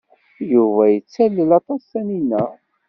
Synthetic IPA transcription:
juvæjət͡sːælːəlɑt̪ˤɑsæninæ

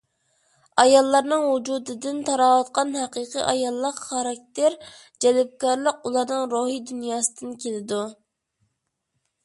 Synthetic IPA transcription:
ɑjɑlˠːɑɾnɨŋwud͡ʒud̪ɨd̪ɪnt̪ʰɑɾɑwɑt̪̚qɑnhɑqəqə̰ʔɑjɑlˠːəqχɑɾɑk̚ʲt̪eɾ | d͡ʒɛlɪp̚kɑɾlˠəqulˠɑɾnɨŋɾoɦid̪ynjɑːsɨd̪ɨnkʲʰelɪd̪u

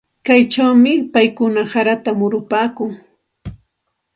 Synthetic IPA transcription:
kajt͡ʃawmɪpajkʊnahaɾat̪amʊɾʊpaːkʊŋ

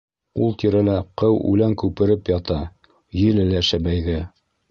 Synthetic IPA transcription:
ulˠt̪iɾælæqɤwʔʉ̰læŋkʉpɘ̆ɾɘpjɑt̪ɑ | jɘ̆lɘlæʃæbæjðɘ

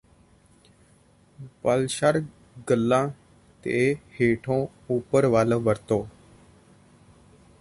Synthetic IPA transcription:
pəlʃəɾ | ɡəlːãː | t̪ḛːheːʈʰõː | uːpəɾʋaːloːʋəɾt̪oː

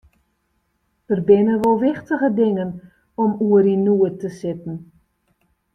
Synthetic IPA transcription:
dərbɪnənʋolˠʋɪχtəχədɪŋən | ɔmuərinuətəsɪtn̩

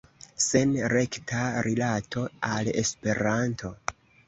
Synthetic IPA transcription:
se̞nɾe̞ktʰaɾilatʰo̞ale̞̰spe̞ɾantʰo̞

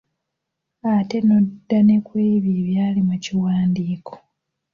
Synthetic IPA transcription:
ate̞no̞dːane̞kweːβjeːβjaːlimuciwaːndiːkʰo̞̥

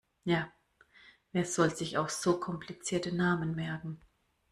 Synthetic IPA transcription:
jaː | ʔeːɐz̥ɔlzɪçaʊxz̥oːkʰɔmpʰlit͡siːɐtənaːmənmɛɐɡŋ̩

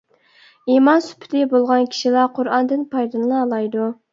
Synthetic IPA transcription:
imɑnsy̥pʰɪ̥t̪ʰɪbolˠʁɑnkʲʰi̥ʃilˠɑqʰʊɾɑnd̪ɨnpʰɑjd̪ɨnˠɨlˠɑːlˠɑjd̪u

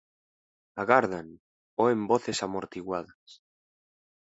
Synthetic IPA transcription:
aɣaɾðan | oemboθesamoɾt̪iɣwaðas

